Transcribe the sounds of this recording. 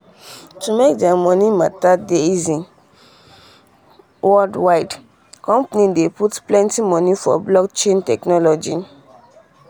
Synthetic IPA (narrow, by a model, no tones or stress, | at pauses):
tumek̚dɛamɔ̃nimatadeizĩn | wɔldwaɪd | kɔ̃mpnĩdeputplɛ̃ntimɔ̃nifɔ̰blɔkt͡ʃẽntɛknɔlɔd͡ʒi